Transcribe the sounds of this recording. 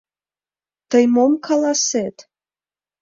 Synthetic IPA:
t̪əjmomkʰɑlɑset̪

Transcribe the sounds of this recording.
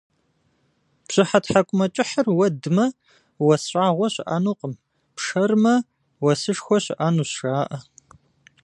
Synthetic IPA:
pɕʼɪħatħakʷʼʊmɐt͡ʃʼɪħərwɐdɨmɐ | wɐsɕʷʼaːʁʷɔɕʷɪʔaːnuːqʼəm | pʂɐrmɐ | wɐsɨʂxʷɔɕɪʔaːnuːsʂaːʔɐ

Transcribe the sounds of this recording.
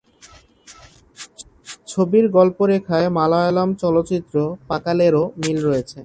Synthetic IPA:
t͡ɕʰobiɾɡɔlpoɾekʰaemalaɔlamt͡ɕɔlotːt͡ɕit̪ːɾopakaleɾomilɾojet͡ɕʰe

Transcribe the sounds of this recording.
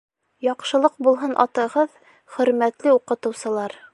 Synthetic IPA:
jɑqʃɤ̆lˠɤq̚bulˠɦɤnʔɑ̰t̪ɤ̆ʁɤð | χɵ̆ɾmæt̪lɘuqɤ̆t̪ɤ̆wsɤ̆lˠɑɾ

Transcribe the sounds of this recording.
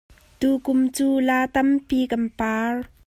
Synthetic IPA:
t̪ukʊmt͡suːlaːt̪ɐmpikɐnpaːr

